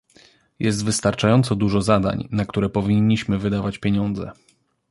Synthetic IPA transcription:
jɛs̬t̪vɘst̪aɾt͡ʂajɔnt̪sɔd̪uʐɔzad̪a̰ɲnakt̪uɾɛpɔvʲiɲːiɕmɘvɘd̪avat͡ɕpʲjeɲɔnd̪zɛ̰

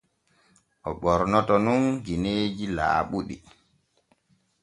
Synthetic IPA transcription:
ʔɔɓɔɾnɔtɔnunɡineːd͡ʒila̰ːɓuɗḭ

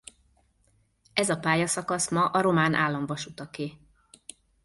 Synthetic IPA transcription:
ɛzɒpaːjɒsɒkɒsmɒʔɒɾo̞maːnʔa̰ːlːɒɱvɒʃut̪ɒkeː

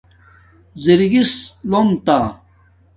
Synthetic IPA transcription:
ziɾiɡislomt̪a

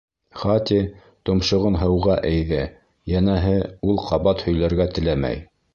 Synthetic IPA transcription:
χɑt̪ʲi | t̪ŏmʃŏʁɤnɦɤ̆wʁɑʔæjðæ | jænæɦɘulˠqɑβɑt̪hɵ̆jlæɾɡæt̪ɘ̆læmæ̰j

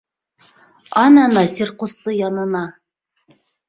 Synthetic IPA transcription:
ɑnɑnɑsʲirqust̪ɤjɑnɤ̆nɑ

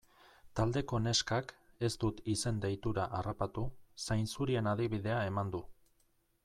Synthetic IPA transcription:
t̪ald̪e̞ko̞ne̞skake̞st̪ut̪ise̞nd̪ejt̪uɾaʔarapat̪usajnsuɾie̞naðiβið̞e̞ae̞mand̪u

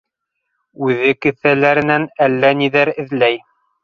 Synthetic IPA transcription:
ʉðɘkɘ̆θælæɾɘ̆nænælːæniðæɾɘ̆ðlæj

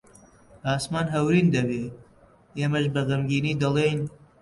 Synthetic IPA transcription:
aːsmaːnɦɐwɾiːnd̪ɐbeː | eːmɐʃbɐɣɐmɡiːniːd̪ɐlˠejn

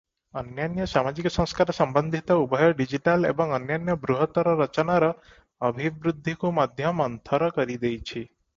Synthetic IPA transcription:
ʌnjanjɔsamad͡ʒikɔsɔ̃ŋskaɾɔsɔmbɔnd̪ʱit̪ɔubʱɔjɔɖid͡ʒiʈalḛbɔŋɔnjanjɔbɾuɦɔt̪ɔɾɔɾʌt͡ʃɔnaɾɔː | bʱibɾud̪ʱːikumad̪ʱjɔmɔnt̪ʰɔɾɔkɔɾid̪ejt͡ʃʰi

